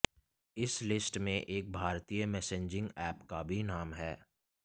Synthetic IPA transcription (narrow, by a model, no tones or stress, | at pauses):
ɪslɪsʈmẽʔeːk̚bʱaːɾt̪ijəmɛːsẽɲd͡ʒɪ̃ŋɡɛːpkabʱinaːmɦɛː